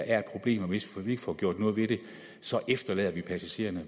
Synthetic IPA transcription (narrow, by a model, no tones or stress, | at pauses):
ʔæɐe̝d̥̚pʰʁo̝b̥le̝̰ːmɒʋe̝sʋʋie̝ɡ̥əfɒ̰ːɡ̥jo̝ɐ̰d̥nɔːðˠʋeɾ̥e̝ | sɒ̽ʔefd̥ɐlɛ̰ð̰ˠɐʋipʰæsæɕe̝̰ːɐnə